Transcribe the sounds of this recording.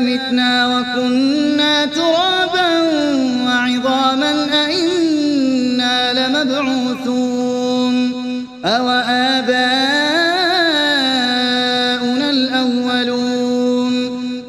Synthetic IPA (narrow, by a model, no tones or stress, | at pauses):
mɪt̪naːwakʊnːaːt̪ʊɾɑːbanwaʕɪðˤɑːmanʔaʔɪnː | aːlɪmad̪ʕuːθuː | n | ʔawaʔaːbaː | ʔʊnalʔawːaluːn